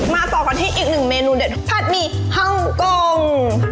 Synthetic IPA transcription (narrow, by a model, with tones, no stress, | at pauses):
maː˧sɔː˨˩ka˧˩nɦa˧˩jʔiː˨˩k̚nɯ˨˩ŋmeː˧nuː˧de˨˩t̪̚pʰa˧˥˩t̪̚miː˧ | ha˧˥˨ŋkoː˧ŋ